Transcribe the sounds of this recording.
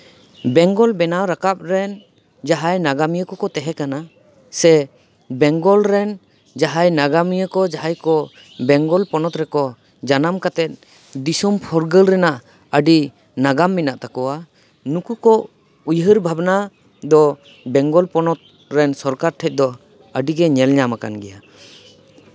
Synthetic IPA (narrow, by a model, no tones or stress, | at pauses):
bɛŋɡɔlbɛnawɾakap̚ɾɛn | d͡ʒaɦajnaɡamijəkɔkɔt̪ɛɦɛkana | sɛ | bɛŋɡɔlɾɛn | d͡ʒaɦajnaɡamijəkɔd͡ʒaɦajkɔ | bɛŋɡɔlpɔnɔt̪ɾɛkɔ | d͡ʒanamkat̪ɛt̪̚ | d̪isɔmpʰɔɾɡəlɾɛnaʔ | əɖi | naɡamːinaʔt̪akɔwa | nukukɔ | ujɦəɾbʱabna | d̪ɔ | bɛŋɡɔlpɔnɔt̪̚ | ɾɛnsɔɾkaɾt̪ʰɛc̚ˀd̪ɔ | əɖiɡɛɲɛlɲamaka̰nɡɛja